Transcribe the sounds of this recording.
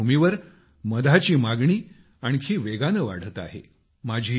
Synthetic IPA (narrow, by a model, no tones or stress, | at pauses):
umiʋəɾ | məd̪ʱat͡ɕiːmaɡɳiː | aɳ̃ikʰiːʋeɡanəʋa̰ɽ̤ət̪a̰ɦḛ | mad͡ʑʱiː